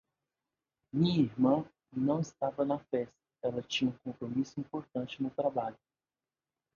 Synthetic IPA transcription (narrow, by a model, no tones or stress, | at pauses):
mĩɐiɾmɐ̃ | nɐ̃w̃ɪst̪avɐnɐfɛst̪ɐ̥ɛlɐt͡ʃĩɲɐũkõmpɾomisʊĩmpoɾt̪ɐ̃t͡ʃɪnʊt̪ɾabaʎʊ